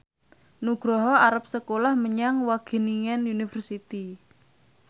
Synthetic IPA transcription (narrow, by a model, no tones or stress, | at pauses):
nuɡ̥ɾɔɦɔaɾap̚səkolahməɲaŋwaɡ̥e̤niŋɛnunifərsit̪i